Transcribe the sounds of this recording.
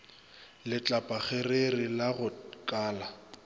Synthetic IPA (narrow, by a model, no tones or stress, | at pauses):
lɪt͡ɬʼapʼaɣererilaɣʊkʼaːla